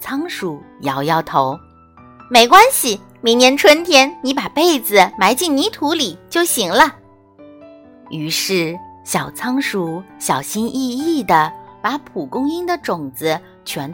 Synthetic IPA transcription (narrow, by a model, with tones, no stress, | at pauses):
t͡sʰɑ˥ŋʂu˨˧˩ | jɑ˧˥ʊjɑ˥˩ʊt̪ʰo˧˥ʊ | me˧˩ɪkwa˥nɕi˨ | mi˧˥ŋnjɛ˧˥nʈ͡ʂʰwə˥nt̪ʰjɛ˥nni˧˥pa˨˩pe˥˩ɪd͡zɹ̩˨˩ma˧˥ɪt͡ɕi˥˩nni˧˥t̪ʰu˧˥li˨˩t͡ɕjo˥˩ʊɕi˨˩ŋlə˧ | y˧˥ʂɻ̩˥˩ɕjɑ˨˩ʊt͡sʰɑ˥ŋʂu˧˥ɕjɑ˨˩ʊɕi˥nʔi˥˧i˥˩d̪ə˩pa˧˥pʰu˨˩kʊ˥ŋi˥ŋd̪ə˨ʈ͡ʂʊ˨˩ŋd͡zɹ̩˦ | t͡ɕʰɥɛ˧˥n